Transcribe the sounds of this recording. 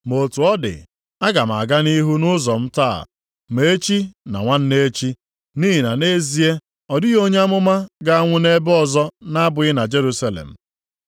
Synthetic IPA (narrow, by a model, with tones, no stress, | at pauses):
mo˨tu˨ɔ˦dɪ̰˨ | a˦ɡa˨m˨a̰˨ɡa˦ni˦ɦu˦nʊ˦zɔ˨m̩˦ta̰˦˨ | me˨˦e˦t͡ʃi˦na̰˨ŋʷa˦n̩˦ne˦t͡ʃi˦ | ni˦ɦi˨na˨ne˦zi˨e˦ | ɔ˨dɪ˦ɣo˦ɲ˦a˦mʊ˦ma˦ɡa˦a˦ŋʷʊ˦ne˦bɔ˦zɔ˦na˦bʊ˨ɪ˦na˨d͡ʒe˦ɾu˦sa˦lḛ˨m̩˨